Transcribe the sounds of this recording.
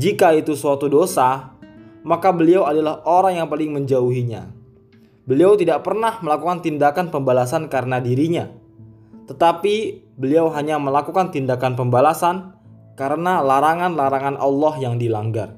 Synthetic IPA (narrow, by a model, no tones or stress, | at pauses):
d͡ʒikait̪usuat̪udosa | makabəliawadalahoɾaŋjaŋpalɪŋməɲd͡ʒauɦiɲa̰ | bəliawt̪idaʔpərnahməlakukant̪indakanpəmbalasankaɾənadiɾiɲa | t̪ət̪api | bəliawɦaɲaməlakukant̪indakanpəmbalasan | kaɾənalaɾaŋanlaɾaŋanʔɑlːɔhjaŋdilaŋɡa̰r